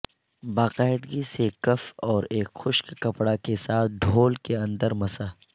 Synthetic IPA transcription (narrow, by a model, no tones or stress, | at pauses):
baːqaːɪd̪ɡisekɐfɔːɾeːkxʊʃkkɐpɽakesaːt̪̚ʰɖ̪ʱoːlkeɐ̃nd̪əɾmɐsaː